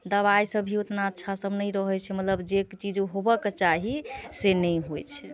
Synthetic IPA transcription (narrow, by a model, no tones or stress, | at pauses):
d̪əβajsəbʱiot̪naətːʃʰasəbnəjɾəɦɛt͡ʃʰɛmət̪ləbd͡ʒekt͡ʃid͡ʒuɦobəket͡ʃaɦisenəjɦojt͡ʃʰɛ